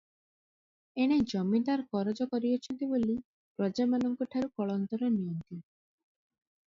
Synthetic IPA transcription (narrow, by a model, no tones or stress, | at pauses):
eɽ̃ed͡ʒɔmit̪aɾkɔɾɔd͡ʒɔkɔɾiɔt͡ʃʰɔnt̪iboli | pɾɔd͡ʒamanɔŋkɔʈʰaɾukɔɭɔnt̪ɔɾɔnijɔnt̪i